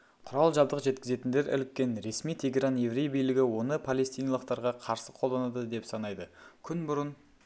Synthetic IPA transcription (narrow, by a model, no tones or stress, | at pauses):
qʰʊɾɑlˠʒɑbd̪əqʒe̞t̪kʲɪze̞t̪ɪnd̪e̞ɾʔɪ̰lɪkʲːe̞nɾe̞smijt̪ʰeɡʲe̞ɾanje̞vɾejbijlɪɡʲɪwo̞nəpʰale̞st̪ijnɑlˠəqt̪ɑɾʁɑqʰɑɾsəqʰolˠd̪ɑnɑd̪əd̪e̞psɑnɑjd̪əkʲʰʏnbʊɾən